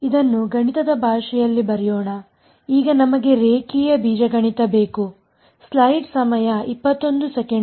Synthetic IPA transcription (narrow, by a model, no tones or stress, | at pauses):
id̪ɐnːuɡɐɳit̪ɐd̪ɐbʱaːʂɛjɐlːibɐɾɛjɔːɳɐ | iːɡɐnɐmɐɡe̞ɾeːkiːjɐbʱiːd͡ʒɐɡɐɳit̪ɐbeːku | slɐjʈsɐmɐjɐipːɐt̪ːond̪usɛkeɳ